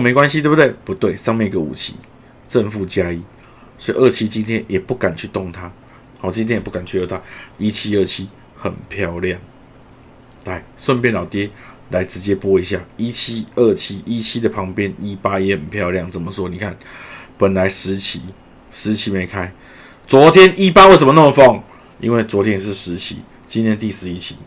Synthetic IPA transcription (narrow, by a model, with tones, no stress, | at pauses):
me˨˧ɪkwa˦nɕ̬i˧t̪we˥˩bu˨t̪we˥˩ɪpu˧˦t̪we˥˩ɪʂɑ˥˧ŋmjɛ˥˨ni˨ɡə˨ṵ˨˩t͡ɕʰḭ˧˦ | ʈ͡ʂə˥˧nfu˥˩t͡ɕja˦˥i˧˥ | swɔ˧˥ḭ˨ʔə˥˩t͡ɕʰi˥t͡ɕi˦nt̪ʰjɛ˦njɛ˨˩pu˥˩ka˨˩nt͡ɕʰy˥˧t̪o˥˨ŋt̪ʰa˦ | ha˥˨˩t͡ɕĩ˧nt̪ʰjɛ˥njpu˥˩ka˨˩nt͡ɕʰy˥˧jo˧˩t̪ʰa˦˥i˦t͡ɕʰi˦ə˥˩t͡ɕʰi˦˥ | xə˨˩npʰjɑ˥˧ʊljɑ˥˨˩ŋ | la˧˩ɪswə˥˧np̬jɛ˥˧nlɑ˨˩ʊt̪jɛ˥ | la˨˦ɪt͡sɻ̩˨˦t͡ɕjɛ˦pwɔ˥i˧˦ɕja˥˩i˦t͡ɕʰi˦ə˥˩t͡ɕʰi˦ʔi˦t͡ɕʰi˦d̪ə˨pʰɑ˧˦˥ŋpjɛ˦ni˦pa˦jɛ˧˦hə˨˩npʰjɑ˥˧ʊlja˥˩ŋt͡sə˨˩nmə˨t͡swɔ˥˩ni˨˩kʰa˥˩npə˨˩nla˧˦ɪʂɻ̩˧˦t͡ɕʰi˨˦ | ʂɻ̩˨˦t͡ɕʰi˧˥me˨˦ɪkʰa˥ɪ | t͡swɔ˨˥t̪ʰjɛ˦nʔi˦pa˦˥we˥˩sə˨˩mə˧n˥˩mə˧fɔ˥˩ŋ | ḭ˦˥nwe˥˩ɪt͡swɔ˧˥t̪ʰjɛ˦n˨˧ʂ̬̩˥˩ʂɻ̩˧˦t͡ɕʰḭ˧˦ | t͡ɕi˦nt̪ʰjɛ˦nt̪i˥˨ʂɻ̩˧˦i˦˥t͡ɕʰi̥̰˨˦